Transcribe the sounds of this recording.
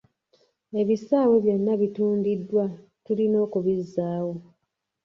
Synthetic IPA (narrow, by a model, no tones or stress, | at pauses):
e̞βisaːwoβjenːaβituːndidːwa | tulino̞ːkuβizːaːwo̞